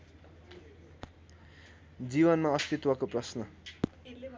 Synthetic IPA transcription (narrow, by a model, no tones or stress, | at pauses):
d͡ziβʌnmaʌst̪it̪wʌkoprʌsnʌ